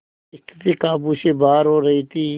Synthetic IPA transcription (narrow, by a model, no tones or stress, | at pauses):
ɪst̪ət̪iːkaːbuːseːbaːɾɦoːɾɐɦiːt̪ʰiː